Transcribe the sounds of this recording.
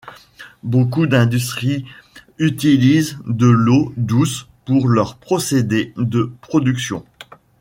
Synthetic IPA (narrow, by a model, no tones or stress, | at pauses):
bokud̪ɛ̃d̪ys̬t̪χiyt̪ilizd̪əlod̪uspuʁlœʁpχɔsed̪ed̪əpχɔd̪yksjɔ̰̃